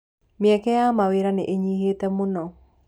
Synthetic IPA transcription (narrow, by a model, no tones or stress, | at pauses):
mɛkɛjamaweɾaneʔeɲihetɛmonɔ